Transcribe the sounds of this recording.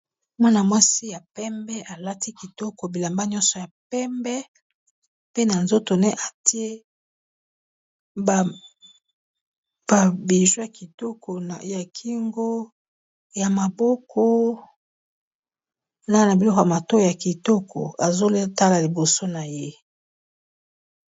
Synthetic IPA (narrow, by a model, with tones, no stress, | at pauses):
mwa˦na˨mwa˦si˦ja˨pɛ˦mbɛ˦ʔa˨la˦ti˦ki˨tɔ˦kɔ˨bi˨la˨mba˦ɲ˦ɔ˦nsɔ˨ja˨pɛ˦mbɛ˦ | pe˦na˨nzo˦to˨ne˦ʔa˨ti˦e˦ | b | b̥a˨bi˨ʒwo˦ja˨ki˨tɔ˦kʰɔ˨ja˨kʰi˦ŋɡo˦ | ja˨ma˨bɔ˦kʰɔ˦ | na˦na˨bi˨lɔ˦kja˨ma˨to˦˨ja˨ki˨tɔ˦kʰɔ̰˨a˨zo˦ta˦la˨li˨bo˨so˦na˨je˦